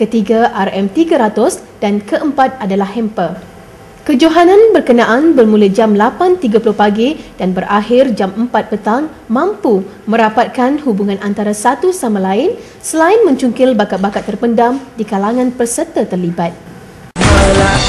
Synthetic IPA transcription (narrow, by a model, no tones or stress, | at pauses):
kət̪iɡaʔarɛmt̪iɡaɾat̪ʊs | d̥ankəʔəmpat̪̚adalahhɛmpə | kəd͡ʒoɦanãnbərkənãʔanbərmũləd͡ʒamlapant̪iɡapulʊhpaɡid̥anbərʔahɪrd͡ʒaməmpat̪̚pət̪aŋ | mãmpu | mə̃ɾapat̪̚kanhubuŋãnʔant̪aɾasat̪usamãlaɪn | səlaɪnmə̃ɲt͡ʃuŋkɪlbakat̪̚bakat̪ːərpəndamdikalaŋãnpərsət̪ət̪ərlibat̪̚ | la